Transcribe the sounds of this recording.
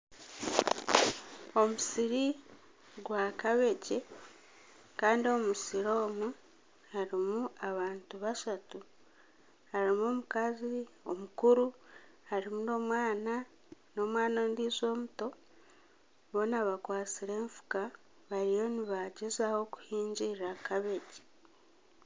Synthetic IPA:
o̞musiɾi | ɡwaːkaβe̞ce̞ | kaːndio̞musiɾo̞ːmu | haɾimuaβaːntuβaʃatu | haɾimo̞ːmukazio̞mukuɾuhaɾimuno̞ːmwaːna | no̞mwaːnondiːzo̞ːmuto̞ | βo̞naβakwaːt͡siɾe̞ːɱfu̥ka | βaɾijo̞niβaɟezaho̞ku̥hiːɲɟiɾakaβe̞ɟe̥

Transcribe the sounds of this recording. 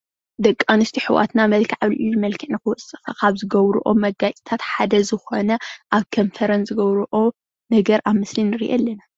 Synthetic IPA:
d̪ɐkʼːanɨst̪ʰiħɨwa̰t̪namɐlkʰiʕaβliʔɨjuɨmɐlkʰiʕnɨkɨwɔsʼɨxɐkʰaβzɨɡɐβɾuʔo̰mɐɡat͡ʃʼi̥t̪ʰat̪ħad̪ɐzɨxo̞nɐʔaβkʰomfʰɐɾɐnzɨɡɐβɾuʔo | nɐɡɐɾʔaβmɨslinɨɾḭʔelːɐna

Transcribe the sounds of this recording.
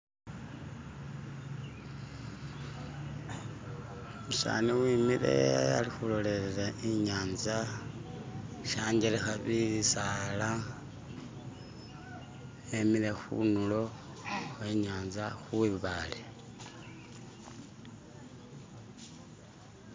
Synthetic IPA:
musa̰ːniwiːmiɾe̞̰a̰lixulo̞le̞ɾeɾaʔiɲaːnza | ʃaːɲɟelexaβiisala | emiɾe̞xṵnulo̞ | xwe̞ɲaːnzaxuiβaːle

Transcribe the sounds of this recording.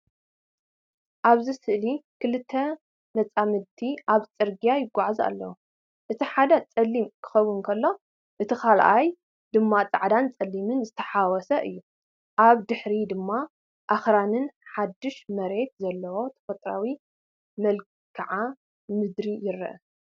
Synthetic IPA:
ʔaβzɨsɨʔlikʰɨlɨt̪ʰːɐ | nɐt͡sʼamɨt̪ʰiʔaβt͡sʼɨɾɡijajɪɡːaʕza̰lːɐ̰wu | ʔɨt̪ʰiħad̪ɐt͡sʼɐlːimkʰɨ̥xɐwːʊnkʰɐlːo̞ | ʔɨt̪ʰikʰalʔaj | d̪ɨmːat͡sʼaʕd̪ant͡sʼɐlːimɨnzɨt̪ʰɐ̥ħawɔsɐʔɨ̰jːu | ʔaβd̪ɨħɾid̪ɨmːa | ʔaxɾanɨnħad̪ːɨʃmɐɾe̞t̪̚zɐlːɐwo̞t̪ʰɐ̥fɐt̪ʼɾa̰wi | mɐl | kʰɐʕa | mɨd̪ɾijɪɾːɐ̰ʔɐ

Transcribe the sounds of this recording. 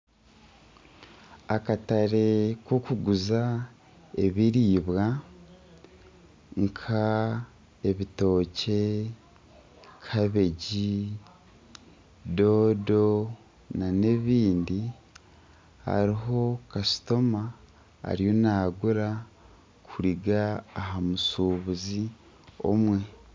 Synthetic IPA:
akataɾe̞ko̞kuɡuza | eβiɾiːβɣa | ŋkʰa | e̞βito̞ːce̞ | kʰaβe̞ɟi | do̞ːdo̞ | nane̞βiːndi | ha̰ɾiɦo̞kasi̥to̞ma̰ː | ɾijo̞naːɡuɾa | kʰuɾiɡaːɦamusuβuzi | o̞̰mwe̞

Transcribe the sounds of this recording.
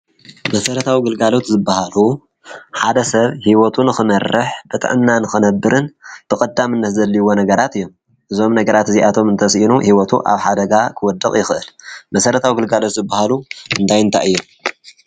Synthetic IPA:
mɐsɐɾɐt̪ʰawiɡɨlɡalo̞t̪zɨbːahalu | ħad̪ɐsɐβhiwot̪ʰunɨxɨmɐrːɨħb̥ɨt̪ʼɨ̰ʕɨmnanɨxɨnɐbːɨɾʔɨnb̪ʰɨkʼɐd̪ːamɨnːɐt̪zɐlːiwo̞nɐɡɐɾat̪ɨjːo̞m | ʔɨzo̞mnɐɡɐɾat̪ɨziʔat̪ʰo̞mɨnt̪ʰɐsʔinuhiwɔt̪ʰṵʔa̰βħad̪ɐɡakʰɨwɔd̪ːɐkʼjɪxɨʔɨlmɐsɐɾɐt̪ʰawiɡɨlɡalo̞t̪zɨbːahaluʔɨnd̪ʰajɨnt̪ʰa̰ʔɨjːom

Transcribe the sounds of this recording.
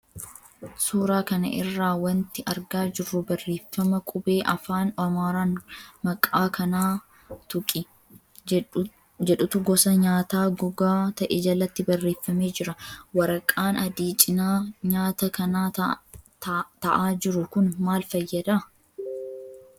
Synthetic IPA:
suːɾaːkɐnɐ̰ʔɪ̰rːaːwɐnt̪ɪʔɐɾɡaːd͡ʒɪrːʊbɐrːe̞ːfːɐmɐkʼʊbe̞ːʔɐfaːnɐmaːɾaːnmɐkʼːaːkɐnaː | t̪ʊkʼɪ | d͡ʒɛᶑʊt̪ʊɡɔsɐɲaːt̪aːɡʊɡaːt̪ɐʔɛd͡ʒɐlːɐt̪ːɪbɐrːe̞ːfːɐmeːd͡ʒɪɾɐwɐɾɐkʼːaːnɐd̪iːt͡ʃʼɪnaːɲaːt̪ɐkɐnaː | t̪ɐʔaːd͡ʒɪɾʊkʊnmaːlfɐjːɐd̪a

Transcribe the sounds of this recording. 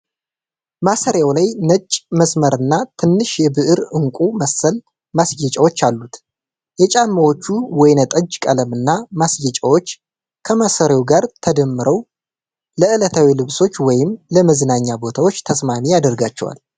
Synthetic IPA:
masəɾjawlajnət͡ʃʼːməsməɾɨnːat̪ʰɨnːɨʃjɛbɨʔɨɾɨŋkʷʼuməsəl | masjɛt͡ʃʼawo̞t͡ʃːalːut̪ | jɛt͡ʃʼamːəwo̞t͡ʃːuwɔjnət̪ʼəd͡ʒkʼələmɨnːamasjɛt͡ʃʼəwo̞t͡ʃː | kʰəmasəɾawɡaɾt̪ʰəd̪əmːɨɾʔəw | ləɨlət̪ʰawilɨβso̞t͡ʃːwɔjɪmləməzɨnaɲːabo̞t̪ʰawo̞t͡ʃːt̪ʰəsmamijad̪əɾɡat͡ʃːɛ̰wa̰l

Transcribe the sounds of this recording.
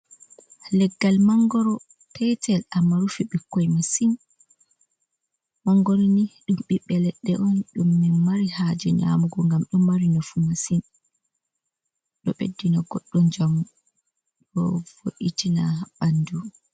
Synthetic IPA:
lɛɡːalmaŋɡɔɾɔ | pʰɛtʰɛlamːaɾufiɓikːɔjmasin | maŋɡɔɾɔniɗumɓiɓːɛlɛɗːɛʔɔnɗumːɛmaɾihad͡ʒɛɲa̰muɡɔŋɡamɗumːaɾinɔfumasin | ɗɔɓedːinaɡɔɗːɔnd͡ʒamu | ɗɔv̥o̰ʔitinaɓandu

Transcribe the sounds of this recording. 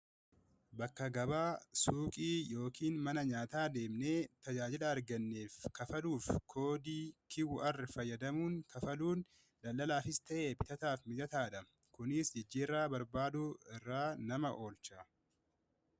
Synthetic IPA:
bɐkːɐɡɐbaːsuːkʼiːjo̞ːkiːnmɐnɐɲaːt̪aːd̪e̞ːmneːt̪ɐd͡ʒaːd͡ʒɪlɐɐɾɡɐnːeːfkɐfɐluːfkʰo̞ːd̪iːkʰɪwɐrːɪfɐjːɐd̪ɐmuːnkɐfɐluːn | lɐlːɐlaːfɪst̪ɐʔeːbɪt̪ɐt̪aːfmɪd̪ɐt̪aːd̪ɐ | kʊnɪsd͡ʒɪd͡ʒːiːrːaːbɐɾbaːd̪uɪrːaːnɐmɐʔo̞ːlt͡ʃɐ

